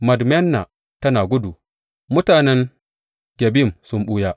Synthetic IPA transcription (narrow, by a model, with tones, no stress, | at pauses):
mɐ˨dmɛ˦nːa˨ | tɐ˦naː˨ɡʷʊ˦du˨ | mʊ˦taː˨nɛ˦ŋ | ɡ̥ʲe˨bi˦˨msʊ˦mɓu˦jaː˦